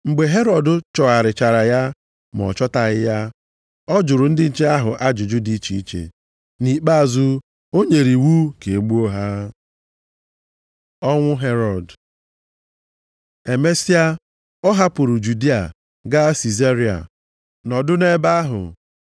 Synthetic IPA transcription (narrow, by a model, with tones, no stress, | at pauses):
ŋ͡m̩˨ɡ͡be˨ɦe˦ɾɔ˨dʊ˨t͡ʃɔ˨a˨ɾɪ˨t͡ʃa˨ɾa˨ja˦ | m˨ɔ̰˨t͡ʃɔ˦ta˨ɣɪ˦ja˦ | ɔ˦d͡ʒʊ˨ɾʊ˨n̩˦dɪ˦n̩˨t͡ʃe˦a˦ɦʊ˨ʔa˦d͡ʒʊ˨d͡ʒʊ˦di˦t͡ʃi˨i˦t͡ʃḛ˨ | ni˨k͡pa˦a˨zu˦ | o˦ɲe˨ɾi˨wu˦ke˨e˨ɡ͡bu˦o˦ɦa˦ | ɔ˦ŋʷʊ˦ɦe˦ɾɔ˨d | e˨me˦si˦a˦ | ɔ˦ɦa˦pʊ˨ɾʊ˨d͡ʒu˨di˦a̰˨ | ɡa˦si˨ze˦ɾi˦a̰˨ | nɔ˨dʊ˦ne˦ba˦a˦ɦʊ̰˨